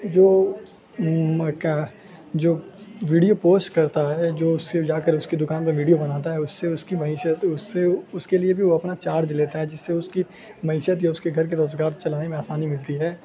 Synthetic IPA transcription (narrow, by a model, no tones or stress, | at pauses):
d͡ʒoː | ka | d͡ʒoːʋiːɖijopoːsʈkɐɾt̪aɦɛd͡ʒoːʊsːed͡ʒaːkəɾʊskid̪ʊkaːnpɐɾʋiːɖijobɐnaːt̪̬aɦɛʊsːeʊskimɐɦiːʃət̪ʊsːeʊskeliebʱiʋoɐpnat͡ʃaːɾd͡ʒleːt̪aɦɛd͡ʒɪsːeʊski | mɐɦɪːʃət̪jaʊskeɡʱɐɾk̬eɾoːzɡaːɾt͡ʃɐlaːnemẽaːsaːnimɪlt̪iɦɛː